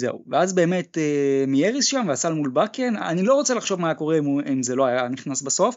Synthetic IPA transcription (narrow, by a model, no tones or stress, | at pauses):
ze̞̰uveazbe̞ːme̞temijeʁisʃamveasalmulbakena̰nilo̞ʁot͡selaχʃo̞vmajako̞ʁeimimzeloajaaniχnasbaso̞f